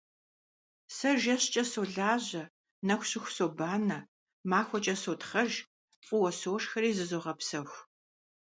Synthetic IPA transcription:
sɐʒɐɕt͡ʃʼɐsoɮaːʑɐ | nɐxʷɕɪxʷsobaːnɐ | maːxʷɔt͡ʃʼɐsoːtχɐʒ | qʷʼʊwɐsoːʂxɐɾiːzɨzoʁɐpsɐxʷ

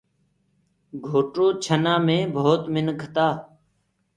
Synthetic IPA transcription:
ɡʱoːʈɾoːt͡ʃʰənãːmẽːbʱoːt̪mɪnkʰət̪aː

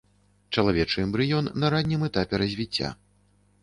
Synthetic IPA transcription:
t͡ʂɐlˠavʲɛt͡ʂɨɛmbɾɨjɔnːɐɾanʲːɨmɛt̪apʲɛɾɐzʲvʲit͡sʲːa̰

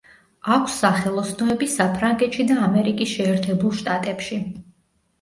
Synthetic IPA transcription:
akʷʰsːaχɛlˠɔsnɔɛbisapʰɾaŋɡɛt̪ʃid̪aːmɛɾikʼisʃɛːɾt̪ʰɛbulˠʃt̪ʼat̪ʼɛpʃi

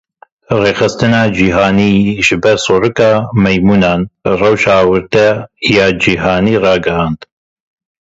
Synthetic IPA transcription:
reːxɨst̪ɨnɑːd͡ʒiɦɑːniːʒɨbɛɾsˤoɾɨkɑːmɛjmuːnɑːnrɛwʃɑːwɨɾt̪ɛjɑːd͡ʒiɦɑːniːrɑːɡɛhɑːnd̪

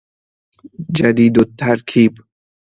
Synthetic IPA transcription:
d͡ʒad̪iːd̪ot̪ʰːaɾkʰiːb

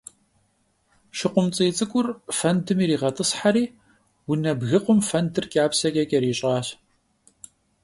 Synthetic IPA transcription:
ʃɪqʷʊmt͡sʼiːt͡sʼɨkʷʼʊrfɐndɨmiːɾiːʁɐtʰʼɨsħaɾiː | wʊnɐbɣɨqʷʊmfɐndɨrkʼaːpsɐkʲʼɐkʼɐɾiːɕʼɑːɕ

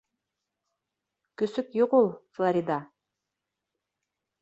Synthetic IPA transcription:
kɵsykjuʁulˠflˠaɾʲid̪a

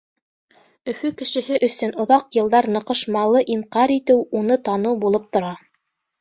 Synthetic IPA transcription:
ɵ̆fɵkɘ̆ʃɘ̆ɦɘʔɵ̆sɵnŏðɑqjɤ̆lˠd̪ɑɾnɤ̆qɤ̆ʃmɑlˠɤʔiɴqɑɾit̪ɘwunɤt̪ɑnɤwbulˠɤp̚t̪ŏɾɑ

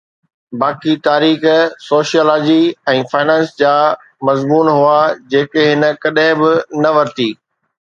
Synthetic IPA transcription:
baːkit̪aːɾiːxsoːʃijoːlaːd͡ʑiɛ̃ːfaːɪnɛ̃ːnsd͡ʑaː | mɐzmuːnɦʊad͡ʑeːkeɦɪnə̆kɐɗɦɪ̃bɪnɐʋɐɾt̪iː

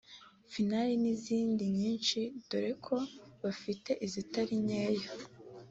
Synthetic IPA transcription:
finaɾiniziːndiɲiːnʃid̥oɾe̞kʰo̞βafite̞ʔizitaɾiɲeːjo

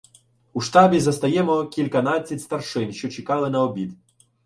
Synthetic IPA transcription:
uʂt̪ɑbʲizɐst̪ɐjɛmɔkʲilʲkɐnat͡sʲːɐtʲst̪ɐrʂɪnʃt͡ʃɔt͡ʃɪkɑlˠɪnɐɔbʲid̪

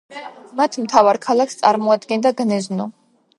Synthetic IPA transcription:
mat̪ʰmt̪ʰavaɾkʰalˠakst̪sʼaɾmɔad̪ɡɛnd̪aɡnɛznɔ

